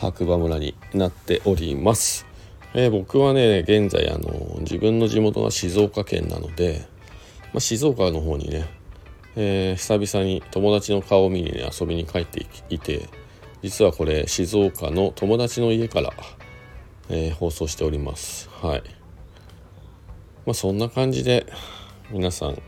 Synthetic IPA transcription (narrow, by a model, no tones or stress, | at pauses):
ha̰kɯ̟bamɯ̟ɾaɲ̟ḭ | nat̪ːe̞ʔo̞ɾʲimasɨ̥ | eːbo̞kɯ̟βane̞ɡẽ̞nza̰ḭa̰no̞̰d͡ʑḭbɯ̟̃nːo̞ʑimo̞t̪o̞na̰ɕizo̞ːkakẽ̞̰nːa̰no̞d̪e̞ | mʔaɕizo̞ːkano̞ɦo̞ːɲ̟ḭne̞ | eːi̥sabʲisaɲ̟it̪o̞mo̞d̪at͡ɕino̞kao̞mʲiɲ̟ḭnḛa̰so̞bʲiɲ̟ikait̪ːe̞it̪e̞̰ | d͡ʑit͡sɨβako̞ɾe̞ɕizo̞ːkano̞t̪ʰo̞mo̞d̪at͡ɕino̞ie̞kaɾa̰ | eːho̞ːso̞ːɕi̥t̪e̞oɾʲima̰sɨ̥hai | masõ̞nːakãɲ̟d͡ʑid̪e̞ | mʲinasã̰ŋ